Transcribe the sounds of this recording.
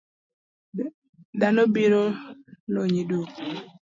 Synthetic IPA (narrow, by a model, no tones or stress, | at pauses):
danobiɾoloɲidu